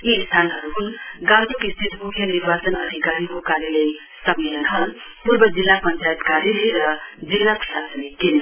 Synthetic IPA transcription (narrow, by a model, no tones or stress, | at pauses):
iːst̪ʰanɦʌɾuɦunɡãd̪ukist̪ʰit̪ʰmukʰjəniɾbat͡sənə̰d̪ʱikaɾikokaɾjələj | səmːelənɦəl | puɾbəd͡zilːapənt͡ʃajet̪kaɾjeleɾʌd͡zilnapʰilasəneken